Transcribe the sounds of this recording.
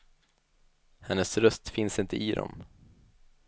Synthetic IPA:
hɛnːəsɾœst̪fɪnsɪnt̪əʔɪd̪ɔ̰m

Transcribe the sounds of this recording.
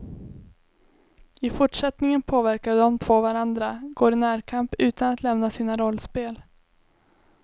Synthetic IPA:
ɪfʊʈʂɛt̪nɪŋənpʰoːvæɾkaɖ̪ɔmt̪ʰvoːvaɾand̪ɾaɡoːɾɪnæːɾkʰampʉ̟ːt̪anat̪lɛmnasiːnaɾɔlːspeːl

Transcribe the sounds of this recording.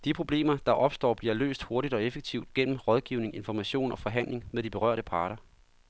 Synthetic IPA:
d̥ipʰʁo̝b̥le̝̰ːmɐd̥ɑ̈ʔɒ̽b̥sd̥ɒ̰ːb̥liɐlø̰ːsd̥ho̝ɐɾid̥ɒ̽efeɡ̥̚t͡sʰiʊ̰d̥ɡ̥en̰m̩ʁɒ̽ð̞ˠɡ̥iʊne̝ŋe̝nfɒmæɕo̝̰ːnɒ̽fɒ̽ɦæn̰le̝ŋmeðˠd̥ib̥e̝ʁɶ̰ɐ̰ɾ̥əpʰɑ̈ːɾ̥ɐ

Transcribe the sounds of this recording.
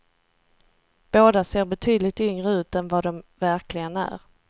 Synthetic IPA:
b̥oːd̪aseːɾbɛt̪ʰyːd̪lɪt̪ʏŋɾəʉ̟ːt̪ɛnvad̪ɔmvæɾklɪɡənæ̰ɾ

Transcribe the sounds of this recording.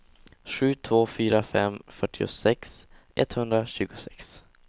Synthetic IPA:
ɧʉ̟ːt̪ʰvoːfyːɾafɛ̰mfœʈːɪʊ̰sɛks | ʔɛt̪hɵnd̪ɾaɕʉ̟ːɡʊsɛks

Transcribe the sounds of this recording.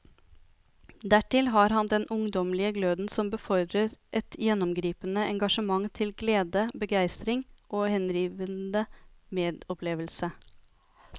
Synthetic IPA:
d̪æʈɪlɦɑːɾhɑnd̪ɛnʔʊŋd̪ɔmlɪəɡløːd̪n̩sɔmbəfɔɾd̪ɾəɾʔɛt̪jɛnɔmɡɾiːpənəʔɛŋɡɑʂəmɑŋt̪ʰɪlɡleːd̪əbəɡæɪst̪ɾɪŋʔoːhɛnɾiːʋənd̪əmeːd̪ɔpʰleːʋəlsə

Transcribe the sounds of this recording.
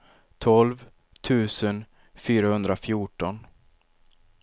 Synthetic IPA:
t̪ʰɔlv | t̪ʰʉ̟ːsən | fyːɾahɵnd̪ɾafjuʈɔn

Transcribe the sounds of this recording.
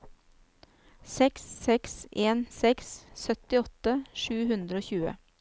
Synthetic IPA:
sɛkssɛksʔeːnsɛkssœt̪ɪɔt̪əʃʉːhʉnd̪ɾəoːçʉːə̰

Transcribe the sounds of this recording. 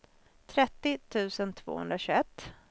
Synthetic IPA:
t̪ʰɾɛt̪ːɪt̪ʰʉ̟ːsənt̪ʰv̥o̰ːhɵ̰nd̪ɾaɕɵɛt̪ː

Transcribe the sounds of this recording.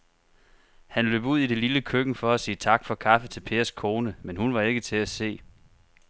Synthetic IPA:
hænlø̰ːb̥uð̞̰ˠid̥e̝liləkʰøɡ̥n̩fɒ̽æsiːət͡sʰɑ̈ɡ̥fɒ̽kʰɑ̈fət͡sʰe̝lpʰe̝ːɐskʰo̝ːnəmenhunʋɑ̈e̝ɡ̥ət͡sʰe̝æse̝̰ː

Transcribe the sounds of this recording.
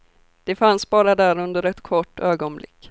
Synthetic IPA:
d̪̥ɛfansbɑːɾad̪æɾɵnd̪əɾɛt̪kʰɔʈːøːɡɔnblɪ̰kː

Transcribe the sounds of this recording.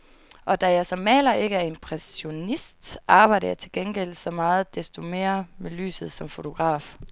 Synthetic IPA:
ʔɒ̽d̥æjɑ̈ɪsɒ̽mːɛ̰ːlɐʔe̝ɡ̥əæɐe̝mpʰʁɛso̝nisd̥ʔɑ̈ːb̥ɑ̈ɪ̰ɾɐjɑ̈t͡sʰe̝lɡ̥enɡ̥el̰̥sɒ̽mɑ̈ːð̞̩ˠd̥e̝sd̥o̝me̝̰ːɐmely̰ːsð̞̩ˠsɒ̽mfo̝t͡sʰo̝ɡ̥ʁɑ̰̈ːf

